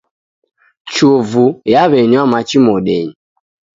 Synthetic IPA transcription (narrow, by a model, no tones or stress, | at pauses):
t͡ʃovujaβɛɲiamat͡ʃimɔɗɛ̰ɲi